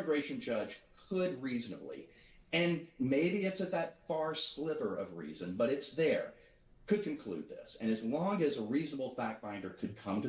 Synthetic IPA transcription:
ɡɹeɪʃɨ̃n̩d͡ʒʌd̥ʒ̥kʰəd̚ɹiznəblḭ | ɨ̃nmeɪbiɨtsɨt̪̚ðɨtfɑɹslɪvə˞ʔʌ̰vɹḭzɨ̃nbʌɾɨtsðə˞ | kʰɨd̚kʰɨ̃n̩kʰl̥ʉ̰d̪̚ðɪ̰sɨ̃ñɨzlɔ̃ŋɨzəɹiznəbl̩ˠfæk̚b̥ãɪ̃ndə˞kʰɨd̚kʰʌ̃mtɨ

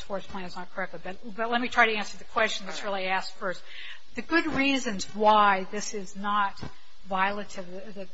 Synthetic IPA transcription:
sfɔɹspʰl̥æ̃nɨznət̚kʰə˞ɛk̚tˡlɨbʌt | bʌtˡlɛt̚mitʰɹ̥aɪɾɨæ̃nsə˞ðɨkʰw̥ɛst͡ʃn̩ðɨtsɹɪlˠiæstfɜ˞st | ðɨɡʊd̚ɹizɨ̃nzwaɪðɪsɪznət̚ | vaɪlˠɨɾɨv | ðɨ

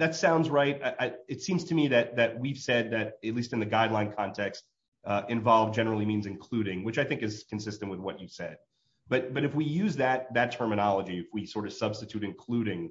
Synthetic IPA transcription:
ðɨtsãʊ̃ndzɹaɪt̚aʔaɪɨtsĩmz̥tʰɨmiðɨt̪̚ðɨt̚wiv̥sɛd̪̚ðɨɾɨtˡlistɨ̃nðɨɡaɪdˡlãɪ̃nkʰɑ̃ntʰɛkst̚ | ʔɨ̃ɱvɑlˠvd͡ʒɛnə˞l̩ˠimĩnzɨ̃nkʰl̥ʉɾɪ̃ŋwɨt͡ʃaɪθɪ̃ŋkɨz̥kʰn̩sɪstɨ̃nʔ̚wɨðwʌt͡ʃɨv̥sɛd̥̚ | b̥ʌɾb̥ʌɾɨfwijʉzðɨt̪̚ðɨtʰɜ˞mɨnɑlˠəd͡ʒiɨfwisɔɹɾʌv̥sʌb̥stɨtʰʉɾɨ̃nkʰl̥ʉɾɪ̃ŋ

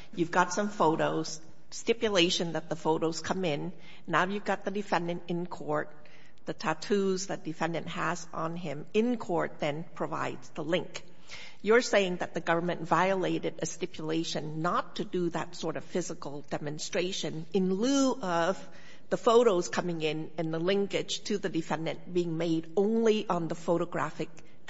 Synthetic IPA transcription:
jʉvɡɑtsʌ̃ɱfoʊɾoʊz̥ | stɪpjɨleɪʃɨ̃nðət̪̚ðəfoʊɾoʊz̥kʰʌ̃mɪ̃nː | aʊjʉvɡɑt̪̚ðɨdɨfɛ̃ndɨ̃ntɨ̃nkʰɔɹt̪̚ | ðɨtʰætʰʉzðɨd̥ɨfɛ̃ndɨ̃nʔhəzn̩ɪ̃mɪ̃nkʰɔɹt̪̚ðɨ̃npʰɹ̥ɨva̰ɪdz̥ðəlɪ̃ŋk | jə˞seɪɪ̃ŋðɨt̪̚ðɨɡʌvə˞mɨ̃ntvaɪəleɪɾɨɾɨstɪpʰjəleɪʃɨ̃nːətʰɨdɨðɨ̰tsɔɹɾʌv̥fɪzəkl̩ˠdɛmɨ̃nstɹ̥eɪʃɨ̃nɨ̃nlʉʌv | ðəfoʊɾoʊz̥kʰʌmɪ̃ŋɪ̃nɨ̃nðəlɪ̃ŋkɪd̥ʒ̥tʰɨðɨdɨfɛ̃ndɨ̃nb̥iɪ̃ŋmeɪɾõʊ̃nliʔə̃nðəfoʊɾəɡɹæ̰fɨk̚

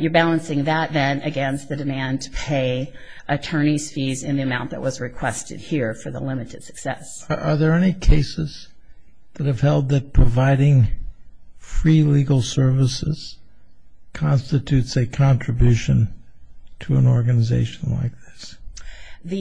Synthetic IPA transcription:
jə˞bælˠə̃nsɪ̃ŋðət̪ðɨ̃nɨɡɛ̃nst̪̚ðɨdɨmæ̃ntʰə̥pʰeɪ | ʔɨtʰɜ̃˞niz̥fizɨ̃nðiɨmãʊ̃nðə̰ʔ̚wʌzɹɨkʰw̥ɛstɨ̰d̚hiɹfə˞ðə̰lɪ̃mɨɾɨd̥sɨ̥ksɛ̰sʔə˞ðə˞ɛnikʰeɪsɨz̥ | ðɨt̚hɨv̥hɛlˠd̪̚ðɨt̚pʰɹ̥əvaɪɾɪ̃ŋ | fɹiliɡl̩ˠsɜ˞vəsɪ̰z̥ | kʰɑ̃nstɨtʰʉtsɨkʰɑ̃ntɹ̥ɨbjʉʃɨ̃n | tʰɨə̰̃nɔɹɡɨnəzḛɪʃn̩la̰ɪk̚ðɪs | ðɨ

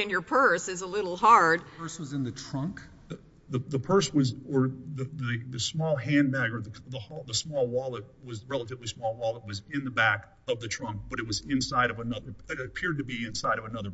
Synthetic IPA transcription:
ɨ̃njə˞pʰɜ˞sɨzəlɪɾl̩ˠɦɑɹd̥ʰɜ˞swʌzɨ̃nðɨtʰɹ̥ʌ̃ŋk | ðəðəpʰɜ˞swʌzə˞ðɨðɨðɨsmɔlˠɦæ̃nbæɡə˞ðɨðəhɔðəsmɔlˠwɔlˠət̚wʌzɹɛlˠətɨvlismɔlˠwɔlˠət̚wʌzɪ̃nðɨbæk | ʌvðɨtʰɹ̥ʌ̃ŋk̚b̥ʌɾɨt̚wʌzɪ̃nsaɪɾʌvənʌðə˞ɪɾɨpʰɪɹd̚tɨbiɨ̃nsaɪɾʌvɨnʌðə˞

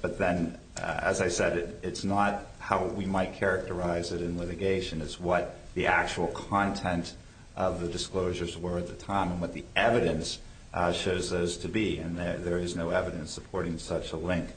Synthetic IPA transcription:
b̥ʌt̪̚ðɨ̃n | ɨ̰zaɪsɛɾɨɾɨtsnət̚haʊwimaɪt̚kʰɛɹɨk̚tə˞aɪzɨɾɨ̃nlɪɾɨɡeɪʃɨ̃nɨzwʌt̪̚ | ðiʔæk̚t͡ʃul̩ˠkʰɑ̃ntʰɛ̃nt | ʔʌvðɨdɨskloʊʒə˞zwə˞ɨt̪̚ðɨtʰãɪ̃mə̃nwʌt̪̚ðiɛvɨɾɨ̃ns | ʃoʊzðoʊz̥tʰɨbiɨ̃nðəðə˞ɨznoʊɛvɨɾɨ̃nsəpʰɔɹɾɪ̃ŋsʌt͡ʃəlɪ̃ŋk

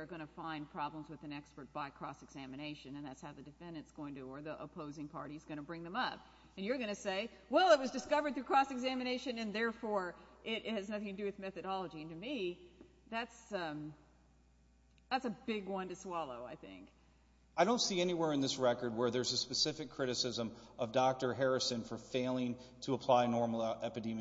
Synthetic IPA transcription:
ə˞ɡʌnɨfãɪ̃npʰɹ̥ɑblə̃mzwɨðɨ̃nɛkspə˞t̚b̥aɪkʰɹ̥ɔ̰sɨɡz̥æmɨneɪʃɨ̃nɨ̃nðætshaʊðɨdɨfɛ̃ndɨ̃nsɡ̥oʊɪ̃ŋtɨə˞ðiʔə̰pʰoʊzɪ̃ŋpʰɑ̰ɹɾizɡʌñɨbɹɪ̃ŋðə̃mʌp̚ | ɨ̃njə˞ɡʌñɨseɪ | wɛlˠət̚wʌzdɨskʌvə˞d̪̚θɹʉkʰɹ̥ɔsɨɡzæmɨneɪʃɨ̃nɨ̃nðɛɹfɔɹʔɪɾɨznʌθɪ̃ŋtʰɨdɨwɨðmɛθɨɾɑlˠəd͡ʒiɨ̃ntɨmi | ðætsʌ̃m | ðætsɨbɪɡwʌ̃ntɨswɑlˠoʊa̰ɪθɪ̰̃ŋk | aɪɾõʊ̃ntsiɛniwɛɹɨ̃nðɪsɹɛkə˞d̚wə˞ðə˞zɨspɨsɪfɨkʰɹ̥ɪɾɨsɪzə̃mʌvdɑk̚tə˞ɦɛɹɨsɨ̃nfə˞feɪlˠɪ̃ŋ | tʰəəpʰl̥aɪnɔɹml̩ˠɛpɨdĩm

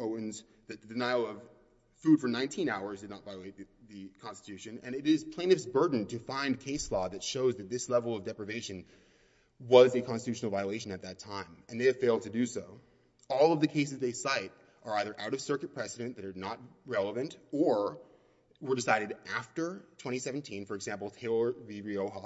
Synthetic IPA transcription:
oʊɨ̃nz | ðɨt̪̚ðɨdɨnaɪl̩ˠʌv̥ | fʉd̥fə˞nãɪ̃ntʰĩnaʊə˞zdɨdⁿnətvaɪəleɪt̪̚ððɨkʰɑ̃nstɨtʰʉʃɨ̃nɨ̰̃nɨɾɪz̥pʰl̥ẽɪ̃nɨfsbɜ˞dⁿn̩tʰɨfãɪ̃nkʰeɪslɔðɨtʃoʊzðɨt̪̚ðɪslɛvl̩ˠʌvdɛpɹɨveɪʃɨ̃n | wʌzɨkʰɑ̃nstɨtʰʉʃnl̩ˠvaɪəleɪʃɨ̃nɨt̪̚ðɨtʰãɪ̃mɨ̃nðeɪɨv̥feɪlˠd̚tʰɨdɨsoʊ | ɔlˠʌvðɨkʰeɪs̬ɨzðeɪsaɪɾ | ʔə˞aɪðə˞ʔaʊɾʌv̥sɜ˞kɨt̚pʰɹ̥ɛsɨɾɨ̃nðɨɾə˞nət̚ɹɛlˠəvɨ̃ntə˞ | wə˞dɨsaɪɾɨɾʔæftə˞tʰw̥ɛ̃ɾ̃isɛvn̩tʰĩnfə˞ɨɡzæ̃mpl̩ˠtʰeɪlˠviɹioʊɦɑ

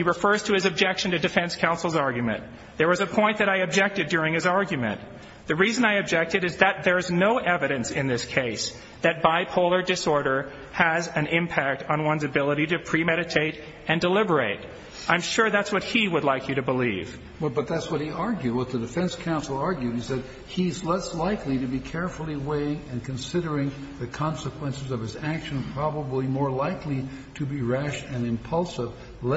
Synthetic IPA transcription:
hiɹɨfɜ˞z̥tʰɨɨzɨb̚d͡ʒɛkʃɨ̃n̩tɨdɨfɛ̃nskʰãʊ̃nsl̩ˠzɑɹɡjɨmɨ̰̃n | ðə˞wʌzɨpʰɔ̃ɪ̃nðɨɾaɪɨb̚d͡ʒɛk̚tɨdʊɹɪ̃ŋɨzɑɹɡjɨmɨ̰̃n | ðɨɹizɨ̃naɪɨb̚d͡ʒɛk̚tɨɾɨzðɨt̪̚ðə˞znoʊʔɛvɨɾɨ̃nsɪ̃nðɪskʰeɪs | ðɨt̚b̥aɪpʰoʊlˠə˞dɨsɔɹɾə˞ | ɨzɨ̃nɪ̃mpʰæk̚tn̩wʌ̃nzɨbɪlˠəɾiɾɨpʰɹ̥imɛɾɨtʰeɪɾ | ɨ̃ndəlɪbə˞eɪɾ | ãɪ̃mʃʊɹðætswʌt̚hiwədˡlaɪkʰjɨɾɨbəlḭv̥ | wɛlˠbʌt̪̚ðætswʌt̚hiʔɑɹɡjʉwʌt̪̚ðɨdɨfɛ̃nskʰãʊ̃nsl̩ˠɑɹɡjʉd̚isɛd̚ | iɨzlɛslaɪkliɾɨbikʰɛɹfl̩ˠiweɪɪ̃ŋɨ̃nkʰɨ̃nsɪɾə˞ɪ̃ŋ | ðɨkʰɑ̃nsəkʰw̥ɛ̃nsɨzʌv̥ɨzækʃɨ̃n̩pʰɹ̥ɑbəblimɔɹlaɪkʰli | ɾɨbiɹæʃɨ̃nɨ̃mpʰʌlˠsɪv | l

